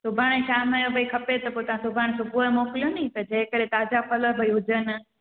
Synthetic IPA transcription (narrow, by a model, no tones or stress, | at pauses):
sʊbʱaːɽ̃eʃaːmajõbʱɐikʰɐpet̪ɐpoːt̪ɐʋ̤ãsʊbʱaːɽ̃sʊbuəmɔːkɪlijoniit̪ɐd͡ʑeɦɪ̃kəɽ̤et̪aːd͡ʑapʰɐləbʱɐiɦʊd͡ʑənɪ̆